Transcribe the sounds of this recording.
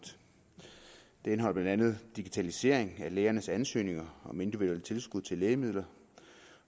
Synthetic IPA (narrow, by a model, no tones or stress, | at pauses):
d̥ | d̥ee̝nɦɒ̽l̰b̥lænd̥ænð̞̩ˠd̥iɡ̥it͡sʰælise̝ɐ̰eŋæleːɐnəsænsø̰ːne̝ŋɐɒ̽me̝nd̥iʋid̥uelət͡sʰe̝lsɡ̥uðˠt͡sʰe̝leːɪmið̞̰ˠlɐ